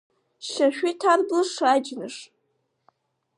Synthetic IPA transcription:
ʃaʃʷᶣitʰarblɨʂad͡ʒnɨʂ

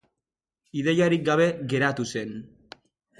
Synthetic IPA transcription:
iðe̞jaɾik̚ɡaβ̞e̞ɣe̞ɾat̪use̞n

